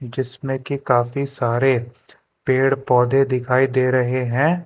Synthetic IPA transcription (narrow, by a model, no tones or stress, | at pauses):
d͡ʒɪsmẽkikaːfisaːɾe | peːɽpɔːd̪ed̪ɪkʰaːid̪eːɾɐɦeɦɛ̃ː